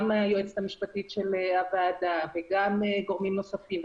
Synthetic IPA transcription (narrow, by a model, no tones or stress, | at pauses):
majoet͡set̪amiʃpat̪itʃeleavaːd̪aveɡameɡo̞ʁmimno̞safim